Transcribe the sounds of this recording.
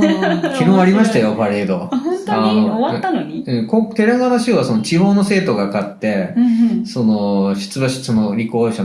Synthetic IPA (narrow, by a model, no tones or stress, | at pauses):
kʲiɡɯ̃aɾʲimaɕi̥t̪ajo̞paɾeːd̪õ̞t̪aoaanoɲiɯ̟̃ːkõt̪e̞ɾaɡanaɕɯːβasonot͡ɕiɦo̞ːno̞se̞ːt̪o̞ɡakat̪ːe̞ | so̞noɕɨ̥t͡sɨbaɕɨ̥t͡sɨnoɾʲikoːɕa